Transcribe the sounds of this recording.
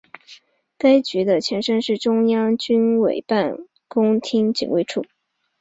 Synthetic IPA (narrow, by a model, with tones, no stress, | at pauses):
ka˥ɪt͡ɕy˧˥d̪ə˧t͡ɕʰjɛ˧˥nʂə˥nʂɻ̩˥˩ʈ͡ʂʊ˥ŋjɑ˥ŋt͡ɕy˥nwe˨˩ɪpa˥˩n | kʊ˥ŋt̪ʰi˥ŋt͡ɕḭ˨˩ŋwe˥˧ɪʈ͡ʂʰu˥˩